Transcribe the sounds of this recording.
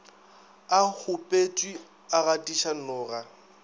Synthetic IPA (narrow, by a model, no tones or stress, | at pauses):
ahʰʊpʼet͡ʃʼwi | aɣatʼiʃan̩nʊːra